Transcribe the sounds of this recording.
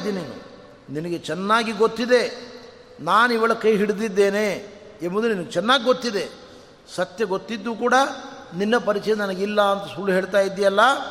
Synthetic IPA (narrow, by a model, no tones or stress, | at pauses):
d̪iːni | ninɐɡe̞t͡ʃɛnːaːɡiɡot̪ːid̪e̞ | naːniʋɐɭɐkɐjɦiɽid̪id̪ːe̞ːne | embod̪uninɐɡet͡ʃɛnːaːɡiɡo̞t̪ːid̪e̞ | sɐt̪jɐɡot̪ːid̪ːuːkuːɽɐninːɐpɐɾit͡ʃɛjɐnɐnɐɡilːɐːnt̪ɐsuːluɦe̞ːɭt̪aːjid̪ːijɐlːɐ